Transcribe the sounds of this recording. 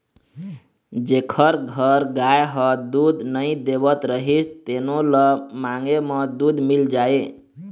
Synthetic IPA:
d͡ʒekʰəɾɡʱəɾɡajɦəd̪ud̪nəjid̪ebət̪ɾəɦist̪enoləmaŋɡeməd̪ud̪mild͡ʒae

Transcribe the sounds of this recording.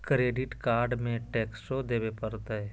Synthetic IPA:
kɾeːɖɪʈkaːɾɖmẽʈɛːksod̪eːbepəɾt̪əɛ

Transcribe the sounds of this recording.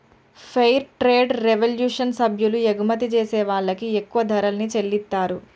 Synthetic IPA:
pʰɐjɾʈɾeːɖɾeʋɐljuːʂɐnsɐbʱjulueɡumɐt̪̬it͡ʃeːsɛːʋaːɭːɐkiekːuʋɐd̪ʱɐɾɐlnit͡ʃe̞lːit̪ːaːɾu

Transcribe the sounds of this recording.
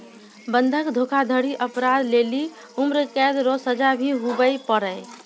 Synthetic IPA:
bənd̪ʱəkd̪ʱokʰad̪ʱəɽiʔəpɾad̪leli | umɾəkɛd̪ɾɔsəd͡ʒabʱiɦubəjpəɾəj

